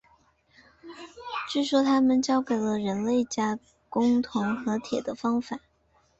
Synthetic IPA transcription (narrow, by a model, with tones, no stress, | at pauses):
ʈ͡ʂɻ̩˥˩ʂwɔ˥˩t̪ʰa˥mə˨nt͡ɕjɑ˥ʊke˨˩ɪlə˦ɻə˧˥nle˥˩ɪt͡ɕja˥ | kʊ˥ŋt̪ʰʊ˧˥ŋxɤ˧˥t̪ʰjɛ˨˩d̪ə˦fɑ˥ŋfa˨˩˦